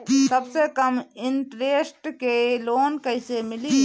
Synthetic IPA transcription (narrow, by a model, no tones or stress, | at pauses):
səbsekəmɪɳʈɾeːsʈkeloːnkəɪsemɪli